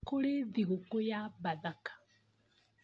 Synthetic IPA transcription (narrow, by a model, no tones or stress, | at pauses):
koleðiɣokojabaðakḁ